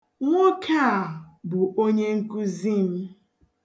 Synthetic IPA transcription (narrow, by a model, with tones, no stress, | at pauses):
ŋʷo˦kʰa˦˨bʊ˨o˦ɲe˦ŋ̩˦ku˦zi˦m̩˦